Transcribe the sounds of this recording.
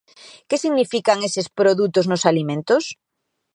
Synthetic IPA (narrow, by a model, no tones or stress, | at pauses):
kesiɣnifikaŋesɪspɾoðut̪oznʊsalimẽnt̪ʊs